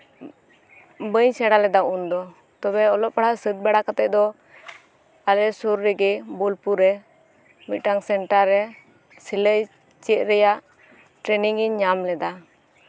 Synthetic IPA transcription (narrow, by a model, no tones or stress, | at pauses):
bəɲsɛɽalɛd̪aund̪ɔ | t̪ɔbɛɔlɔp̚paɽasət̪̚bɛɽakat̪ɛʔ̚d̪ɔ | alɛsuɾːɛɡɛbɔlpuɾɛ | mic̪̚ʈaŋsɛɳʈaɾːɛ | siləj | t͡ʃɛt̪̚ɾɛjaʔ | ʈɾɛniŋiɲːamlɛd̪a